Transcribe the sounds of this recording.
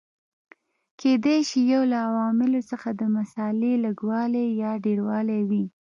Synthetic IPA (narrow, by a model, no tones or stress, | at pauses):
kʰed̪ajʃijawlaːwɑmɪlosəxad̪əmasɑleləɡwɑlejɑɖeɾwɑlawi